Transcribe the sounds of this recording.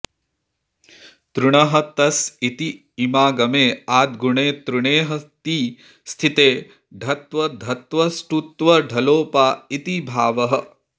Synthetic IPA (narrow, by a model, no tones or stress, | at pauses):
t̪ɾuɳɐɦɐ̆t̪ɐsit̪i | imaːɡɐmeːaːd̪̚ɡuɳeːt̪ɾuɳeːɦɐt̪iː | st̪ʰit̪eː | ɖʱɐt̪ʋɐd̪ʱɐt̪ʋɐsʈut̪ʋɐɖʱɐloːpaːit̪ibʱaːʋɐɦɐ